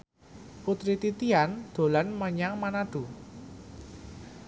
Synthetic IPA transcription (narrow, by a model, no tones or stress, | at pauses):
put̪ɾit̪it̪iand̪̥o̤lanməɲaŋmanaɖ̪̥ṳ